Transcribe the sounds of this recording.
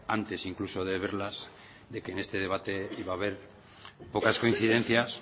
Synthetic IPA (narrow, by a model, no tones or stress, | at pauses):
ant̪e̞siŋkluso̞ðe̞βe̞ɾlaz | ðe̞keːne̞st̪e̞ðe̞β̞at̪e̞iβaːβ̞e̞ɾ | po̞kasko̞inθiðe̞n̟θjas